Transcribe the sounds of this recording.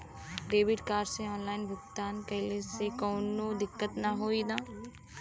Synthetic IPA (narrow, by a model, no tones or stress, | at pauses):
ɾeːʋɪʈkaːɾsẽɔːnlaːɪnbʱʊkt̪aːnkɐɪlesekɔːnod̪ɪkːət̪nɐɦoːid̪ãː